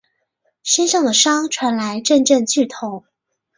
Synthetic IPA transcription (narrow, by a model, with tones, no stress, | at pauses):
ɕɛ˥nʂɑ˥˩ŋd̪ə˩ʂɑ˥ŋʈ͡ʂʰwa˧˥nla˧˥ɪʈ͡ʂə˥˧nʈ͡ʂə˥˧nt͡ɕʰy˥˩t̪ʰo˨˧˥